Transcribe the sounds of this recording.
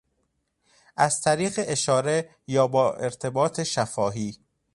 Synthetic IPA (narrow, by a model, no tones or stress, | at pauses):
ʔæz̥t̪ʰæɾiːɣeʔeʃɒːɾe̞ | jɒːbɒːʔeɾt̪ʰe̞bɒːt̪ʰe̞ʃæfɒːɦiː